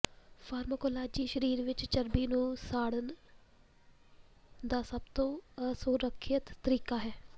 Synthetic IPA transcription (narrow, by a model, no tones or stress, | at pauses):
fʰaːɾməkoːlaːd͡ʒiːʃəɾiːɾʋɪt͡ʃt͡ʃəɾbiːnũːsaːɽən | d̪aːsəb̚t̪õːəsuɾəkʰjət̪ːəɾiːkaːɦɛː